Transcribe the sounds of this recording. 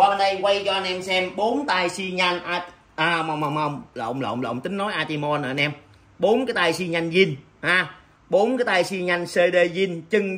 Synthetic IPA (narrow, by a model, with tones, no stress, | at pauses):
waː˧ɓa˧nɗə˧jkwa˧jt͡ɕɔ˧ʔa˧nʔɛ˧msɛ˧mɓo˨˦nt̪aː˧jsi˧ɲa˧jŋʔaː˧ | ʔa˧wŋ͡mhə˧wŋ͡mhə˧wŋ͡mhə˧wŋ͡mla̰ː˧˨wŋ͡mla̰˧˩˨ŋ͡ml̰ːwŋ͡mt̪ï˨˦ŋ̟nɔ˨˦jʔaː˧t̪i˧mɔ˧nə̰ː˨˧nʔɛ˧m | ɓo˨˦nkaː˨˦jt̪aː˧jsi˧ɲa˧jŋ̟zi˧n | haː˨˧˩ | ɓo˨˦nkaː˨˦jt̪aː˧jsi˧ɲa˧jŋ̟se˧ɗe˧zi˧nt͡ɕɨ˧ŋ